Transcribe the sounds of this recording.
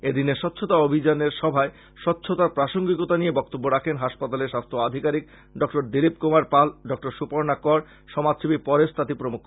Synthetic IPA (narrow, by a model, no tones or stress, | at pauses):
ed̪ineʃɔt̪ːɕʰot̪aobʱid͡ʑaneɾʃɔbʱae | ʃɔt̪ːɕʰot̪aɾpɾaʃoŋɡikot̪anijebɔk̚t̪obːoɾakʰenɦaʃpat̪aleɾʃast̪ʰɾoad̪ʱikaɾik̚ | ɖɔk̚ʈoɾd̪ilipkomaɾpalɖɔk̚ʈoɾʃupoɾnakɔɾ | ʃɔmad͡ʑʃʰibipɔɾest̪at̪ipɾomukʰː